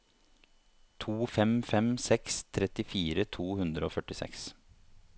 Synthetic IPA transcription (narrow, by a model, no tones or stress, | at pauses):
t̪ʰuːfɛmfɛmsɛkst̪ʰɾɛt̪ɪfiːɾət̪ʰuːhʉnd̪ɾəoːfœʈɪsɛ̰ks